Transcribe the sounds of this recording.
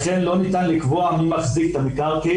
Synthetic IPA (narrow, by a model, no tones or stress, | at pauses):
χenlo̞nit̪anlikvoamimaχzikt̪amikaʁki